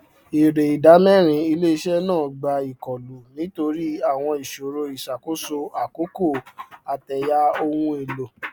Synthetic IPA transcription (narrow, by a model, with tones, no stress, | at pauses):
e˨ɾe˨i˨da˨˦mɛ˦˨ɾ̃ĩ˧i˧le˦i˧ʃɛ˦nãː˦˨ɡ͡ba˧i˨kɔ˨lu˨˦nĩ˦to˧ɾi˦a˦˨w̃ɔ̃˧i˨ʃo˨ɾo˧i˨ʃa˨ko˦so˧a˨ko˨˦ko˦˨a˨tɛ˨ja˧˦o˧wũ˧e˨lo˨